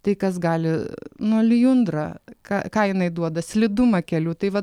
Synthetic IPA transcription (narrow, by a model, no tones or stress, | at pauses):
t̪ɐɪkɐsɡɑːlʲɪnuɔlʲɪjʊnd̪ɾɐkɑːkɑːjɪnɐɪd̪uɔd̪ɐsʲlʲɪd̪ʊmɐkʲɛlʲuːt̪ɐɪʋɐt